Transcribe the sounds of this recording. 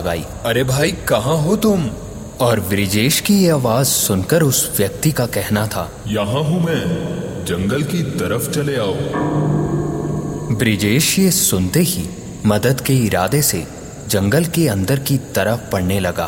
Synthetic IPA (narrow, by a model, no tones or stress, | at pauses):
ɐɡa̰ːḭːɐɾebʱaːikɐɦãɦot̪ʊm | ɔːɾʋɾɪd͡ʒeːʃkijeaːʋaːzsʊnkəɾʊsʋjɐk̚t̪ikakɛɦnat̪ʰa̰ː | jɐɦãɦũmɛ̃ːd͡ʒɐ̃ŋɡəlkit̪ɐɾəft͡ʃɐleaːoː | bɾɪd͡ʒeːʃjesʊnt̪eɦi | mɐd̪əd̪keɪɾa̰ːd̪esḛ | d͡ʒɐ̃ŋɡəlkeɐ̃nd̪əɾkit̪ɐɾəfpɐɽnelɐɡa̰ː